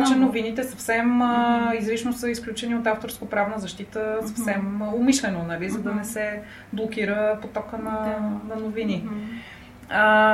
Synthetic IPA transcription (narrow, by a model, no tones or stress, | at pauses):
t͡ʃɛnovinit̪ɛsɐfsɛmizɾit͡ʃnosəisklʲut͡ʃɛniot̪aft̪oɾskopɾavnəzɐʃt̪it̪əsɐfsɛmomiʃlɛnonɐlizɐd̪ɐnɛsɛ | blˠokʲiɾəpot̪ɔkənɐnɐnovini